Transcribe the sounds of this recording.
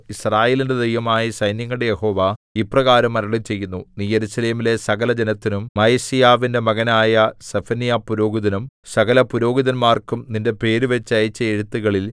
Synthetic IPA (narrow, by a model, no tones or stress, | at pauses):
israːjeːlinded̪ʱejʋɐmaːjisɐjnjɐŋːɐɭɽejeho̞ːʋaiprɐɣaːɾɐmːɐɾɐɭit͡ɕe̞jːunːuniːje̞ɾusɐle̞ːmile̞sɐɣɐlɐd͡ʑenɐt̪ːinummɐjɐsijaːʋinde̞mɐɣɐnaːjɐsefɐnijaːpːuɾo̞ːɡiðɐnum | sɐɣɐlɐpuɾo̞ːɡiðɐnmaːrkumninde̞pe̞ːɾuʋe̞t͡ɕːɐjt͡ɕːɐeɻut̪ːuɣɐɭil